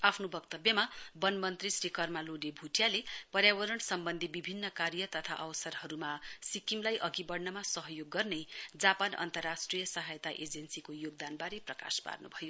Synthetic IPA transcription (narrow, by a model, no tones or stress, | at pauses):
apʰnobʌkt̪ʌbjʌmabʌnmʌnt̪risɾikʌrmaloɖebʱuʈʰjalepʌɾjawʌɾʌnsʌmbʌnd̪ʱibibʱinːʌkaɾjʌt̪ʌt̪ʰa̰ʔʌwʌsʌrhʌɾumasikimlajʔʌɡibʌɽnʌmasʌɦʌjoɡːʌrnʌjd͡zapanʌ̰nt̪ʌrːasʈrijʌsʌɦajt̪aʔed͡zʌnsikojoɡ̚d̪anbaɾeprʌka̰spa̰rnubʱʌjo